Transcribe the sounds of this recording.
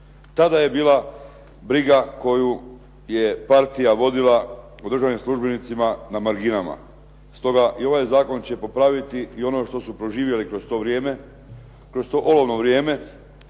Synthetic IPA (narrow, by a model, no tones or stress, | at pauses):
t̪ad̪aje̞biːlˠa | bɾiɡako̞ju | je̞paɾt̪ijaʋo̞d̪ilˠa | od̪ɾ̩rʒanimslˠuʒbenit̪simanamaɾɡinama̰ | st̪o̞ɡaʔio̞ʋajzaːko̞nt͡ɕe̞po̞pɾaʋit̪iio̞no̞ʃt̪o̞supɾo̞ʒiːʋje̞likɾo̞st̪o̞ʋɾjeːme | kɾo̞st̪o̞ːʔolo̞ʋno̞ʋɾje̞ːme̞